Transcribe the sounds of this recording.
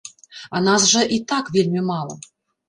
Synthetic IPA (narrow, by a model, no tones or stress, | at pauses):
anɑsʐəʔit̪ɑkvʲelʲmʲimɑlˠə̰